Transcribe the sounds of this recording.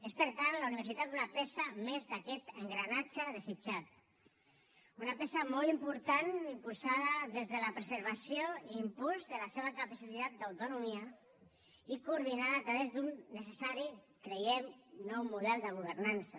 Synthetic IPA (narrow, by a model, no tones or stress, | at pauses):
espəɾt̪anlauniβ̞əɾsit̪at̪̚unapɛsəmezðakɛt̪əŋɡɾanat͡ʃəðəzid͡ʒat̪ | unapesəmɔlˠimpuɾt̪animpulˠsaðəðezðələpɾəzəɾβasioimpulzðəlaseβ̞əkapasit̪at̪̚d̪awt̪unumiə | ikuːɾð̞inaðəːt̪ɾəβezd̪unːəsəsaɾi | kɾejemnɔwmuðɛlˠd̪əɣ̞uβ̞əɾnansə